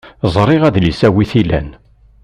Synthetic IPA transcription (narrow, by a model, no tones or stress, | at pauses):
zˤɾˤɪʁæðlisæwiθilæ̰n